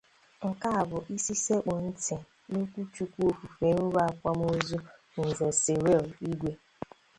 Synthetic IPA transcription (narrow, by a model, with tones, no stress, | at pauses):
ŋ̩˨ka˦a˨bʊ˨ʔi˦si˦se˦k͡pɔ˨n̩˦tɪ˨ | no˦kʷu˦t͡ʃu˨kʷu˦o˨fu˨fe˨˦n̩˦ɾa˦˨a˨kʷa˦m˦o˦zu˦˨ | n̩˨ze˨se˨ɾe˦˨li˦ɡʷe˦